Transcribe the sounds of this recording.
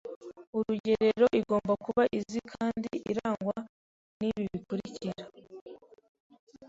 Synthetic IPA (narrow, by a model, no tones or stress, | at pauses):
uɾuɟe̞ɾe̞ɾo̞ʔiɡo̞ːmbakuβaʔizikʰaːndiiɾaːŋɡwa | niβiβikuɾiciɾa